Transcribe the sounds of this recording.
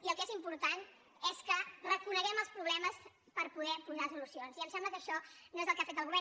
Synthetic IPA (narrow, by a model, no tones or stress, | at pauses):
iəlˠkezimpuɾt̪an | ɛskərəkunəɣɛməlˠspɾuβlɛməs | pəɾpuðɛpunasulusionziəmsɛmbləkəʃɔnoezəlˠkafet̪əlˠɣuβɛ